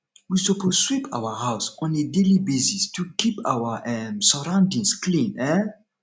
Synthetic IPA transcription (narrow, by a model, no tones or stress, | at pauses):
wisopʰozswipʰa̰wəhaʊsɔ̃nedelibesistʰukʰipa̰wəʔɛmsəɹãʊ̃ndĩŋsklĩnɛ